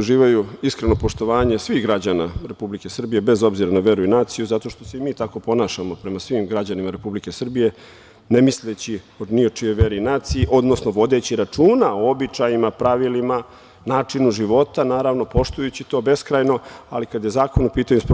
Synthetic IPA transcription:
uʒiːʋajuiskɾe̞no̞po̞ʃt̪o̞ʋaːɲe̞sʋixɡɾad͡ʑanaɾe̞publike̞sr̩bije̞be̞zo̞bziɾanaʋe̞ɾuinaːt̪sijuzat̪o̞ʃt̪o̞seimiːt̪ako̞po̞naːʃamo̞pɾe̞masʋimɡɾad͡ʑanimaɾe̞publike̞sr̩bije̞ | ne̞mislet͡ɕio̞d̪niot͡ʂijo̞jʋe̞ɾiinaːt̪sijiʔo̞d̪no̞sno̞ʋo̞d̪et͡ɕiɾat͡ʂuːnaoobit͡ʂajimapɾaʋilima | naːt͡ʂinuʒiʋo̞t̪anaːɾaʋno̞po̞ʃt̪ujut͡ɕit̪o̞ːbe̞skɾajno̞alikad̪je̞zaːkonupiːt̪aɲumsp

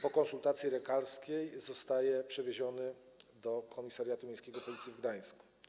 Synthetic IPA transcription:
pɔkɔnsult̪at̪sʲjiɾɛkalskʲejzɔst̪ajɛpʂɛvʲeʑɔnɘ | d̪ɔkʰɔmʲisaɾjat̪umʲẽjskʲɛɡɔpɔlʲit̪sʲivɡd̪aj̃sku̥

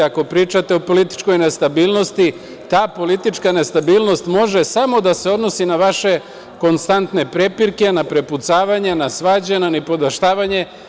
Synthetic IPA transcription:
ako̞pɾiːt͡ʃat̪e̞o̞po̞lit̪i̥t͡ʃko̞jne̞st̪abiːlˠno̞st̪i | t̪aːpo̞lit̪it͡ʃkane̞st̪abiːlno̞st̪mo̞ʒe̞samo̞d̪ase̞o̞d̪no̞sinaʋaʃe̞ | ko̞nst̪ant̪ne̞pɾe̞piɾke̞napɾe̞put̪saːʋaɲenasʋaːd͡ʑenanepo̞d̪aʃt̪aːʋaɲe̞

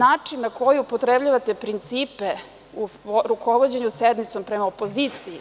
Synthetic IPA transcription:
aːt͡ʂinːakojuupot̪ɾebʎaʋat̪e̞pɾint̪siːpe | uɾukoʋod͡ʑeɲused̪mit̪so̞mpɾemaopo̞ziːt̪sii

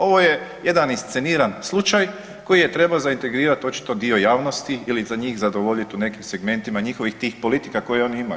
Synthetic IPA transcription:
o̞ʋo̞je̞je̞d̪aninst̪se̞niːɾanslˠut͡ʃaj | ko̞jije̞t̪ɾe̞baozaint̪e̞ɡɾiːɾat̪o̞t͡ʃi̥t̪o̞d̪io̞jaːʋnost̪iilizaɲiːxzad̪oʋo̞ʎit̪une̞kimse̞ɡme̞nt̪imaɲixo̞ʋixt̪iːxpo̞lit̪i̥kako̞jeo̞niimaju

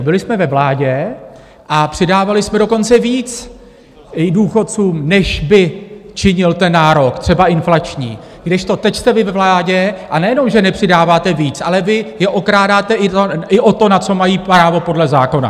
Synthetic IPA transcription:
bɪlɪsmɛvɛvlaːɟɛ | ʔapr̥ɪdaːvalɪsmɛdo̞ko̞nt͡sɛviːt͡s | duːxo̞tt͡suːmnɛʃbɪt͡ʃɪɲɪlt̪ɛnːaːɾo̞kt̪r̥ɛbaʔɪnflat͡ʃɲḭː | ɡdɪʃt̪o̞t̪ɛcst̪ɛvɪvɛvlaːɟɛʔanɛjɛno̞mʒɛnɛpr̝̥ɪdaːvaːt̪ɛviːt͡sʔalɛvɪjɛʔo̞kɾaːdaːt̪ɛʔɪoɪʔo̞t̪o̞nat͡so̞majiːpɾaːvo̞po̞dlɛzaːko̞na̰

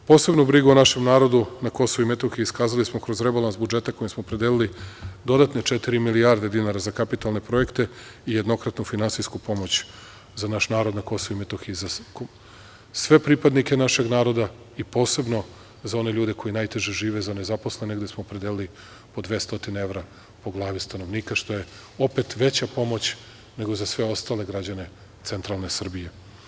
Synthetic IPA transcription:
po̞ːse̞bnubɾiɡuonaʃe̞mnaːɾo̞d̪unako̞soʋuimet̪o̞xiiskaːzalismokɾo̞zɾe̞balˠansbud͡ʒe̞t̪ako̞jmsmoːpɾed̪elilid̪o̞d̪at̪net͡ʃet̪iɾimiliaɾd̪e̞d̪inaɾazakapit̪alˠne̞pɾo̞je̞kt̪e̞ijed̪no̞kɾat̪nufinansijskupo̞mo̞t͡ɕ | zanaʃnaːɾo̞d̪nako̞soʋuimet̪oxizak | sʋe̞pɾipad̪nikenaʃe̞ɡnaːɾo̞d̪a | ipo̞ːse̞bno̞ | zao̞ne̞ʎuːd̪e̞ko̞jinaːjt̪e̞ʒeʒiːʋe̞zane̞zaposlˠeneɡd̪e̞smoːpɾed̪elili | po̞d̪ʋe̞st̪o̞t̪ineeʋɾa | po̞ɡlˠaːʋist̪ano̞ʋniːkaʃt̪o̞je̞ | o̞pe̞t̪ʋe̞t͡ɕapo̞mo̞t͡ɕ | ne̞ɡo̞zasʋe̞o̞st̪aːle̞ɡɾad͡ʑane̞ | t̪se̞nt̪ɾalˠne̞sr̩bije

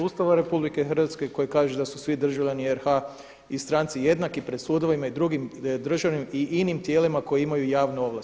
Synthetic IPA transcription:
uːst̪aʋaɾe̞publike̞xɾ̩ʋat̪ske̞ko̞jekaːʒed̪asusʋid̪r̩ʒaʋʎʲanieɾha | ist̪ɾaːnt̪sije̞d̪nakipɾed̪suːd̪o̞ʋimaid̪ɾuɡimd̪r̩ʒaʋnimiʔinimt̪jeːlimako̞jeimajujaːʋnuo̞ʋla

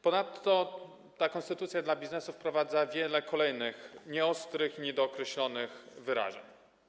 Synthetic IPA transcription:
pɔnat̪ːɔ | t̪akɔnst̪ɘt̪ut̪sʲjad̪labʲiznɛsufpɾɔvad̪zavʲjɛlɛkɔlɛjnɘxɲɛɔst̪ɾɘxɲid̪ɔːkɾɛɕlɔnɘxvɘɾa̰ʐɛ̰ɲ

